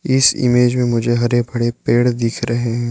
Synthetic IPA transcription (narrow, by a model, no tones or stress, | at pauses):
ɪsɪ̰meːd͡ʒmẽmʊd͡ʒʱeɦɐɾebʱɐɽepeːɽd̪ɪkʰɾɐɦeɦɛ̃ː